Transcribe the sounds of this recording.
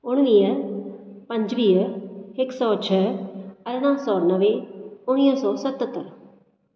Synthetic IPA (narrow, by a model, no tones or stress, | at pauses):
ʊɽ̃ʋiːə | pəɲd͡ʒʋiːəhɪksɔːt͡ʃʰɛəɾñãːsɔːnəʋeːʊɽ̃ijãːsɔːsət̪ət̪ːəɾ